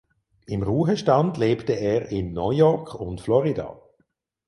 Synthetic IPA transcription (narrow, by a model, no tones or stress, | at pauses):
ɪmʁuːɦəʃtandleːptəɛːʁɪnːɔjɔkʊntflɔʁida̰